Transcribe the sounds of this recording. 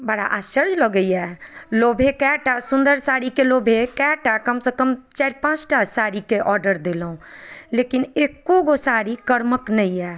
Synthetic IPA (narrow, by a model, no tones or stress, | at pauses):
bəɽa̰ʔasəɾd͡ʒləɡəiɛlobʱekɛʈasũnd̪əɾsaɾikelobʱekɛʈakəmsekəmt͡ʃaɾpãt͡ʃʈasaɾikeʔɔɾɖəɾd̪elɦũlekinekːoɡosaɾikəɾməknəiɛ